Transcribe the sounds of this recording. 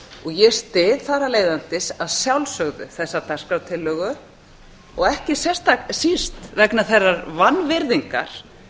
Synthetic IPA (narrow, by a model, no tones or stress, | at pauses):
ɔɣjɛst̪ɪθaɾaleːjðant̪ɪsaðsjawlsœɣðʏ̰θɛsːat̪ḁskawt̪ʰɪlːœːɣʏ | ɔɣɛhcɪsɛ̥st̪aksist̪vɛknaθɛrːaɾvanːvɪɾðiŋka̰ɾ̥